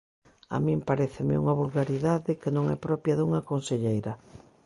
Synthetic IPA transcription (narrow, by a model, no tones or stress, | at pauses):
a̰mĩmpaɾɛθɪmɪ̰ṵŋɐβulɣaɾiðaðɪkɪnõŋɛpɾɔpjɐðuŋɐkonseʎejɾɐ